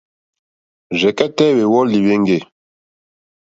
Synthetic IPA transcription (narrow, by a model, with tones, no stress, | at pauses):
ʒɛ˨kɛ˦tɛ˦we˨wɔ˦li˨we˦ŋɡe˦˨